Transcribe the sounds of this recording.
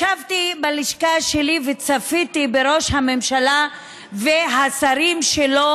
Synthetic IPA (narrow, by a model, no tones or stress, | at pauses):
ʃavt̪ibaliʃkaʃelivet͡safit̪ibeɾo̞ʃhamemʃala | veɦasaɾimʃelo